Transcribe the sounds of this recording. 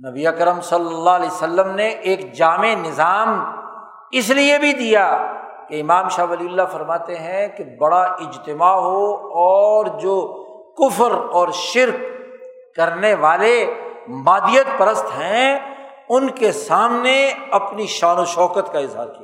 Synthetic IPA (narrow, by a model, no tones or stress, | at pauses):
nɐbiɐkɾəmsɐlːəlːaliːsəlːəmneʔeːkd͡ʒaːmenɪzaːm | ɪsliebʱid̪ija | keɪmaːmʃaːbɐliːʊlːafɐɾmaːt̪eɦɛ̃kebɐɽaʔɪd͡ʒt̪ɪmaɦoɔːɾd͡ʒoː | kʊfɾɔːɾʃɪɾkː | ɐɾneʋaːlemaːd̪ijət̪̚pɐɾəst̪ɦɛ̃ | ʊnkesaːmneɐpniʃaːnoʃɔːkət̪kaɪzɦa̰ːɾkijaː